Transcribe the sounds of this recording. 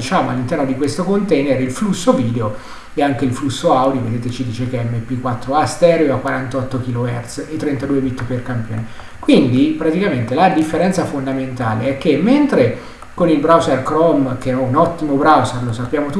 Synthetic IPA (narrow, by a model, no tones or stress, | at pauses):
it͡ʃaːmoa̰lːint̪ɛrnod̪ikwest̪okont̪ɛjnerilflusːoviːd̪eo | eaŋk̟eilflusːoawd̪jovḛd̪eːt̪et͡ʃid̪iːt͡ʃekeɛmːepːikːwat̪ːɾoast̪ɛːɾoakwaɾant̪ɔt̪ːokiloɛrt̪set̪ːɾent̪ad̪uːebit̪ːperkampjo̰ːne | kwind̪ipɾat̪ikament̪elad̪ifːeɾɛnt̪safond̪ament̪aːleɛkːemːent̪ɾe | konilbɾawzerkɾɔmkeɛɛunɔt̪ːimobɾawzerlosapːjaːmot̪u